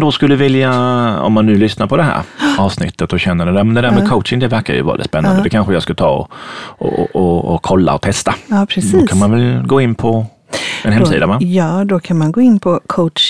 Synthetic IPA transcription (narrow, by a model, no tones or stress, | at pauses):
d̪ɔskɵlːəvɪljaɔ̰mːanːʉ̟ːlʏsnaɾpʰɔd̪ɛɦæ̰ːɾɑːvsnɪ̰t̪ʰːət̪ɔɕɛnːədɛɛmɛnd̪ɛd̪æːɾmɛkʰoʊt̪ʂɪŋd̪ɛvæɾka̰ɾjɵ̰vɑ̰ːɾ̰d̪ɪt̪spɛnːand̪d̪ɛkʰanɧəjɑskat̪ʰɑ̰ːɔ̰ɔ̰ɔɔkʰɔlːa̰ɔt̪ʰɛst̪apʰɾɛsd̪ɔkʰanmanvɛlɡoːɪnːpʰɔ | ɛnhɛmsiːd̪avajɑːd̪ɔkʰanmanɡoːɪnːpʰɔkʰo